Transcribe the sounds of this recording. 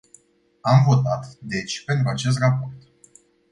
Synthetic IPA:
amvo̞t̪at̪d̪e̞t͡ʃʲpe̞nt̪̬ɾuat͡ʃe̞s̬t̪rapo̞rt̪

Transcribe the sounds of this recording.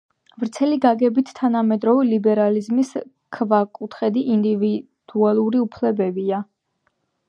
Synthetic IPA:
vɾt̪sʰɛliɡaɡɛbit̪ʰt̪ʰːanamɛd̪ɾɔvilibɛɾalizmis | kʰvakʼut̪ʰχɛd̪iʔind̪ivi | d̪̥ualˠuɾiupʰlɛbɛbia

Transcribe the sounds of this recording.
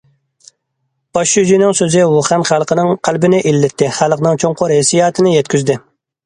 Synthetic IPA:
b̥ɑʃyd͡ʒ̪inɪŋsøzɪwoχænχælˠqʰənɨŋqʰælbɪnɪʔilːɪt̪ʰːɪχælˠəqnɨŋt͡ʃʰoŋqʰʊɾɦesijɑːt̪ʰɪnɪjɛt̪kʲʰyzd̪ɪ

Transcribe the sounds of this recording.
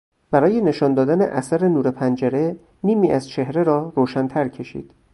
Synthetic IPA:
b̥æɾɒːje̞ne̞ʃɒːnd̪ɒːd̪ænḛʔæsæɾenuːɾe̞pʰænd͡ʒæɾe̞ | niːmiːʔæzt͡ʃʰehɾe̞ɾɒːɾoːʃænt̪ʰæɾcʰe̞ʃḭːd̪̥

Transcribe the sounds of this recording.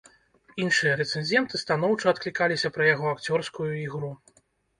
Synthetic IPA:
inʂɨjɐɾɛt̪sɛnzʲɛnt̪ɨst̪anɔwt͡ʂɐːt̪̚klʲikalʲisʲɐpɾɐjaɣɔakt͡sʲɔrskujuiɣɾu

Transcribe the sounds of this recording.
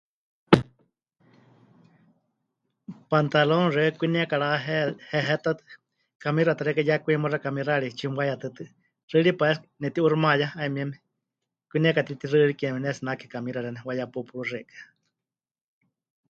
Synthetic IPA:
pant̪alonrekʷiniakaɺaɦɛhɛɦɛt̪at̪ɨ | kamiɾat̪ɨɾɛkajakʷimorakamiraɺit͡ʃimwajat̪ɨt̪ɨ | rɨɺipaɛsnɛt̪iʔurmajaaimiɛmɛ | kʷiniakat̪it̪irɨɺikɛmɛnɛsinaki̥kamiɾaɺɛnɛwajapupuɺurɛkḁ

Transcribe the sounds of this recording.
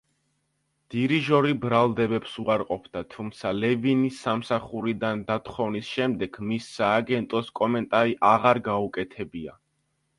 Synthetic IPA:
d̪̥iɾiʒɔɾibɾalˠd̪ɛbɛpsuaɾqʼɔpʰd̪at̪ʰumt̪sʰalɛvinisːamsaχuɾid̪and̪at̪ʰχɔvnisʃɛmd̪ɛɡmisːaːɡɛnt̪ʼɔskʼɔmɛnt̪ʼaɾiʔaʁaɾɡaukʼɛt̪ʰɛbia̰

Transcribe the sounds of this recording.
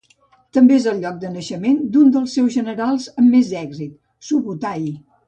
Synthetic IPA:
t̪əmbeezəlˠʎɔk̚d̪ənəʃəmend̪und̪əlˠsːɛwzʒənəɾalˠzəmːezɛɡzit̪̚ | suβut̪aj

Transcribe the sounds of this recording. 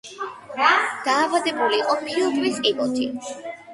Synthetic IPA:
d̪̥aːvad̪ɛbuliːqʼɔpʰiɔd̪viskʼibɔt̪ʰḭ

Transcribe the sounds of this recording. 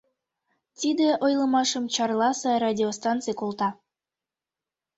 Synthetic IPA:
t̪id̪eʔojlˠɤmɑʃəmt͡ɕɑrlˠɑsɑɾadʲiost̪ɑnt̪t͡sɨjkolˠt̪ɑ

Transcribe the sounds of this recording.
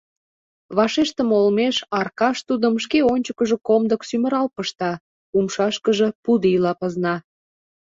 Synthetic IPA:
βɑʃeʃt̪əmolmeʃɑrkɑʃt̪ud̪əmʃkeonʲt͡ɕəkəʒə̆komd̪əksymə̆ɾɑlpəʃt̪ɑ | umʃɑʃkəʒəpud̪əilɑpəznɑ

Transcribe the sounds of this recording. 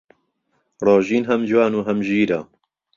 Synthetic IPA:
rˤɑːʒiːnɦɐmd͡ʒwaːnuːɦɐmʒiːɾɐ

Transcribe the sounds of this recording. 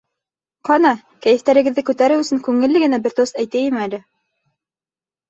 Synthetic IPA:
qɑnɑ | kæjɘ̆ft̪æɾɘ̆ɡɘ̆ðːɘkʉt̪æɾɘwɵ̆sɘŋkʉŋɘ̆lːɘɡɘ̆næbɘɾt̪ost̪æjt̪æjimɘælɘ

